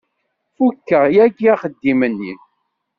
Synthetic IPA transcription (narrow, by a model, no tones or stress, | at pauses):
fukːəʁjæɡiaχəd̪ːimənːi